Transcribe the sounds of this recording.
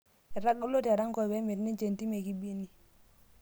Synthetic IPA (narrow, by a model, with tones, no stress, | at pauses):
ɛ˨ɾa˦ɡo˦lo˦ta˨ɾa˦ŋkɔ˨be˦me˨tni˦t͡ʃe˨nti˦me˨ki˦bi˦e˦ni˦